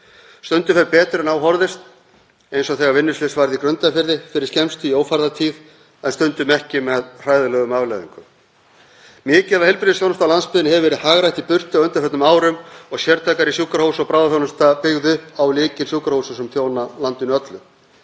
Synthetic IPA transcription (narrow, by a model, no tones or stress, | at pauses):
st̪ʏnt̪ʏfɛɾpɛːt̪ɾɛnawɦɔɾðɪst̪ | ejnsɔθɛːɣaɾvɪnːʏsflɪsvajɾðikɾœnt̪afɪɾðɪfɪɾɪɾ̥scɛmst̪ʏioːwfaɾðat̪ʰiːð | ɛnst̪ʏnt̪ʏmɛhcɪmɛðr̥aːjðʏlœːɣʏmavlɛðḭŋkʏm | mɪːcɛvahɛlpɪɾðɪsjownast̪alanspɪðɪnhɛvvɛɾɪðhaːɣɾajht̪ipʏr̥t̪aœnt̪ɪ̥ɾfœt̪nmaːwɾʏmɔɣsjɛɾt̪ʰajkaɾisjuːkaɾhowsɔpɾawðaθjownast̪apɪɣðʏawlɪːcɪnsjuːkaɾhowsasɛmθjownalant̪ʏnʏœt̪lʏm